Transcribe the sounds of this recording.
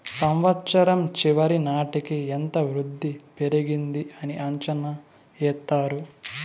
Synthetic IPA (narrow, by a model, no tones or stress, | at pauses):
sɐmʋɐt̪ːʃɐɾɐmt͡ʃiʋɐɾinaːʈikient̪ɐʋɾud̪ʱːipeɾiɡind̪iʔɐniʔɐɲt͡ʃɐnɐ | ɛːt̪ːaːɾu